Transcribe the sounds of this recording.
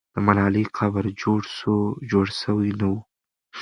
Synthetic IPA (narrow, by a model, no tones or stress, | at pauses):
d̪̥əmalɑliqʰabəɾd͡ʒoɽsod͡ʒoɽsəwinawu